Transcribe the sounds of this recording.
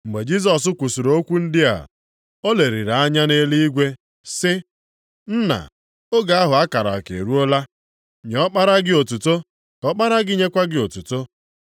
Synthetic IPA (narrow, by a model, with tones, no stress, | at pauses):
m̩˨ɡ͡be˨d͡ʒi˦s̬ɔ˨s̬ʊ˦kʷu˨su˨ɾo˨o˦kʷu˦n̩˦dɪ˦a̰˨ | o˦le˨ɾi˨ɾa˨a˦ɲa˦ne˦li˦i˦ɡʷe˦ | sɪ˦ | n̩˦na̰˨ | o˦ɡa˨a˦ɦʊ˨a˦ka˨ɾa̰˨kḛ˨ɾu˦o˦la˦ | ɲ˨ɔ˦k͡pa˦ɾa˦ɡɪ˦o˨tu˨to˦ | kɔ˦k͡pa˦ɾa˦ɡɪ˦ɲe˦kʷa˦ɡɪ˦o˨tu˨to˦